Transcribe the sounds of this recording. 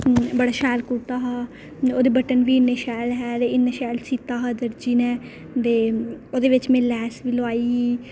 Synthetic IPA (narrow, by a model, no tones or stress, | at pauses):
bəɽaːʃɛːlkut̪aːɦaː | oːd̪eːbəʈənʋiːɪnːeːʃɛːlɦɛːd̪eːɪnːeːʃɛːlsiːt̪aːɦaːd̪əɾd͡ʒiːnɛ̃ː | t̪eːoːd̪eːʋɪt͡ʃmɛ̃ːlɛːsʋiːloaːiːɦiː